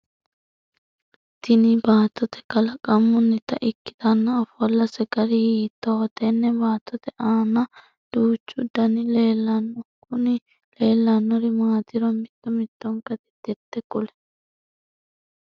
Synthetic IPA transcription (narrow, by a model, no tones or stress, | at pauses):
t̪ɪnɪbaːt̪ːɔt̪ɛ̥kɐlɐkʼɐmːʊnːɪt̪ːɐ̰ʔɪkːɪ̥t̪ɐnːɐːfɔlːɐsɛɡɐɾɪhiːt̪ːɔɔt̪ɛnːɛbaːt̪ːɔt̪ɛʔaːnɐ | d̪̥uːt͡ʃːʊd̪ɐnɪleːlːɐnːɔkʊnɪ | leːlːɐnːɔɾɪmaːt̪ɪɾɔmɪt̪ːɔmɪt̪ːɔŋkɐt̪ɪ̥t̪ːɛt̪ːɛkʼʊlɛ̥